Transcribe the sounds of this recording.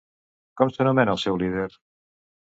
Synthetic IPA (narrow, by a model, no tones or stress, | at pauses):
kɔmsenomenasɛwliðeɾ